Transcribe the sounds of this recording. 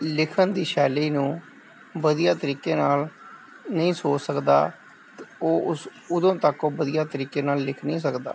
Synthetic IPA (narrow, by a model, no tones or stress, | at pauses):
lɪkʰənd̪iːʃɛːliːnũː | ʋəd̪ijaːt̪əɾiːkeːnaːl | nəĩːsoːt͡ʃsəkd̪a̰ː | t̪oːʊs | ʊd̪õːt̪əkoːʋəd̪ijaːt̪əɾiːkeːnaːlːɪkʰnĩːs̬əkd̪a̰ː